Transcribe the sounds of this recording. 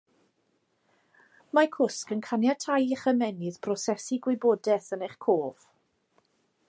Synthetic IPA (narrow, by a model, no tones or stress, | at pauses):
makʰʊskənkʰanjatʰajiχəmɛnɪðpʰrɔsɛsiɡwɪbɔːdɛθəneχkʰoːv̥